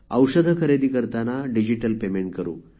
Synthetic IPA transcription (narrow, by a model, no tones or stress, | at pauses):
ə̰wʂəd̪ʱəkʰəɾed̪iːkəɾt̪anaɖid͡ʑiʈəlpemeɳʈ̚kəɾṵː